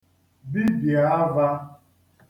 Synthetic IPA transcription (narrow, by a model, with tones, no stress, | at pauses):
bi˦bja˨˦ba˦